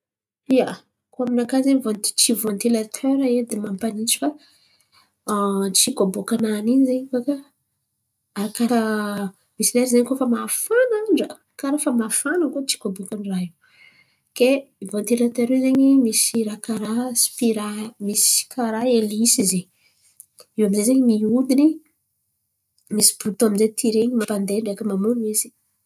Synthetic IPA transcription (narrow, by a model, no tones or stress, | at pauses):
ia | koaminakazeɲvont̪i̥t͡ʃivont̪ilat̪ʰøɾaed̪emampanit͡ʃi̥fa | t͡ʃikobokananinizeɲkaka | aɾakaa | misineɾizeɲkofamafanaɳɖ͡ʐə | kaɾafamafanakot͡ʃi̥kobokaniraiw | keivont̪ilat̪aɾezeɲimisiɾakaɾasi̥piɾamiskaɾaelisize | iwamizezeɲimiud̪ini | misi̥b̥ut̪aminzet̪ʰiɾeɲimapand̪eɳɖ͡ʐekəmamunmisi̥